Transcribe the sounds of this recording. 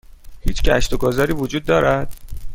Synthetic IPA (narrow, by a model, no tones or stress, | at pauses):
hiːt͡ʃʰcʲæ̰ʃt̪oɡɒːzɒɾiːvod͡ʒuːd̪̚ːɒːɾæd̪̥̚